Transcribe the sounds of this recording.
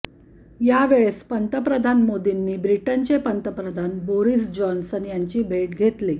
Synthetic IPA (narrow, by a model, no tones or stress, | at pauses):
jaʋeɭespənt̪əpɾəd̪ʱanmod̪inːiːbɾiʈənt͡ɕepənt̪əpɾəd̪ʱanboɾiːsd͡ʑɔnsənjaɲt͡ɕiːbʱeʈɡʱet̪liː